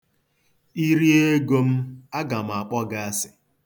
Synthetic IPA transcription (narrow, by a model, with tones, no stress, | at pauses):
i˦ɾi˦e˦ɡo˦m̩˦a˦ɡa˨m̩˨a˨k͡pɔ˦ɡa˦a˦sɪ̥˨